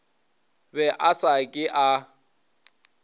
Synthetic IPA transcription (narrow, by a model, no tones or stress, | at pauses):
bɛʔasakʼɪʔa